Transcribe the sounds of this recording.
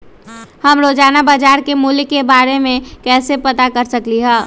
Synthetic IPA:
hɐmɾoːd͡ʒaːnabaːd͡ʒaːɾkemuːlɪkːebaːɾemẽkɛːsepɐt̪akɐɾsɐkliɦɛ̃ː

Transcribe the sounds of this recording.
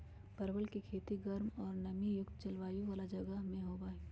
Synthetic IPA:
pɐɾbəlkikʰeːt̪iɡɐɾmɔːɾnɐmijʊkt̪̚t͡ʃɐlʋaːjuʋaːlad͡ʒɐɡəɦmẽɦoːbaːe

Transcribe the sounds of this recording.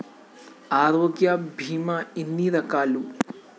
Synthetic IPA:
aːɾoːɡjabʱiːmɐinːiɾɐkaːlu

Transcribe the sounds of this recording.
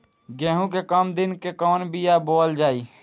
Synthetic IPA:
ɡɛ̃ːɦũk̬ekəmd̪ɪnkekɔːnbʱijaboːld͡ʒaːiː

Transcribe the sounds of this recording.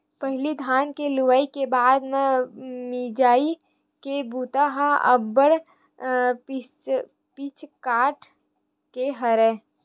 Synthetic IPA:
pəɦlid̪ʱaːnkelʊwaːikebaːd̪mẽmid͡ʒaːi | kebuːt̪aɦaə̰bəɽ | pit͡ʃʰkaːʈ | keɦəɾɛː

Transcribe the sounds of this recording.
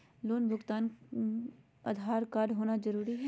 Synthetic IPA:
loːnbʱʊɡt̪aːn | ɐ̰d̪ʱaːɾkaːɖɦoːnazɐɾuːɾiɦɛ

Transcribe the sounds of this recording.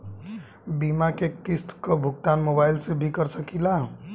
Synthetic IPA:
bimakekɪst̪kəbʱʊɡt̪aːnmoːbaːɪlsebʱikəɾsəkila

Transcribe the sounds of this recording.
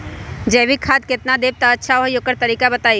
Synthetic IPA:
d͡ʒɛːʋikʰaːd̪̚kɪt̪nad̪eːb̚t̪aətːʃʰaoɦjokəɾt̪əɾiːkabət̪aːi

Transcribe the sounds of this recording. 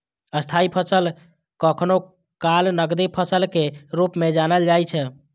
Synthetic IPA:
əst̪ʰaipʰəsəl | kəkʰno | kalnəɡd̪ipʰəsəlkeɾupmed͡ʒanəld͡ʒajt͡ʃʰɛ

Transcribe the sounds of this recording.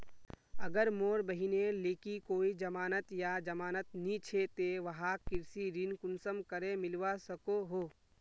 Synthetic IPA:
əɡəɾmoːɾbəɦineleːkikoːid͡ʒɐmaːnət̪jad͡ʒəmaːnət̪̚nit͡ʃʰet̪eʋɐɦakːɪɾsiɾinkʊnsəmkəɾemɪlʋasəkoɦoː

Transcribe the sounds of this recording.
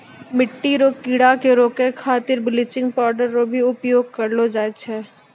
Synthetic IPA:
mɪʈːiɾoːkiɽakeɾoːkekʰaːt̪ɪɾbɪlɪt͡ʃɪ̃ŋɡpɔːɾɖəɾɾobʱiʊpjoːɡ̚kɐɾlod͡ʒaːet͡ʃʰɛː

